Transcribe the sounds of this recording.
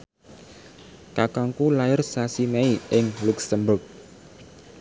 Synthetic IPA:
kakaŋkulajɪrsasimɛiʔɪŋluksəmbʊk̚

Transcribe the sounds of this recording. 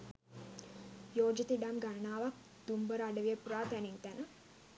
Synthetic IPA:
joːd͡ʒit̪iɖamɡanənaːʋak̚ | d̪̥umbəɾaɖəʋijəpuɾaːt̪æneŋt̪ænə

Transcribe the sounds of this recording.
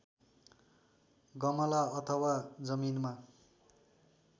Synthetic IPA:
ɡʌmʌlaʌt̪ʰʌwad͡zʌminma

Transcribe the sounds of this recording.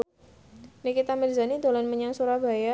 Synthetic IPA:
nikit̪amɛlzanid̪olɔnməɲaŋsuɾaba̤ja

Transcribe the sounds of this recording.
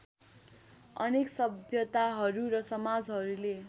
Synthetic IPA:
ʌneksʌbʱjʌt̪aɦʌɾuɾʌsʌmad͡zɦʌɾule

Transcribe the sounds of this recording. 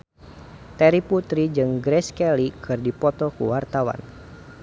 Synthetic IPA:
t̪ɛɾiput̪ɾid͡ʒɨŋɡɾɛskɛlikʰɨrdipɔt̪ɔkṵwart̪awa̰n

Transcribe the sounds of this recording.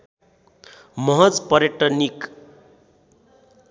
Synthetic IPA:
mʌɦʌd͡zpʌɾeʈʌnik

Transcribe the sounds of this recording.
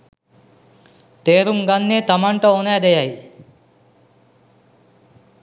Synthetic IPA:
t̪eːɾuŋɡɐnːeːt̪ɐmɐɳʈɐonaːd̪ejɐj

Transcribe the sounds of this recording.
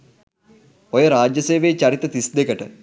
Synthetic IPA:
ojəɾaːd͡ʒjɐseːʋeːt͡ʃɐɾit̪ət̪isd̪ekəʈə

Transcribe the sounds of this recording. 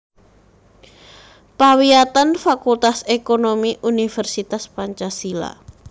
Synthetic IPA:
pawiat̪anfakult̪asekonomiʔunifɛrsit̪aspaɲt͡ʃasila̰

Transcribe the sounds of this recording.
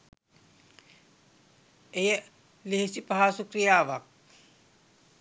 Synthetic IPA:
eje | liɦesipɐɦasukɾijaːʋak̚

